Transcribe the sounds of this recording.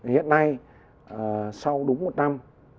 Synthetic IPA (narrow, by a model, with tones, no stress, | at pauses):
hḭ˧˨ənːa˧j | ə˨˩sa˧wɗʊ˨˦ŋ͡mmo˨˩t̚na˧m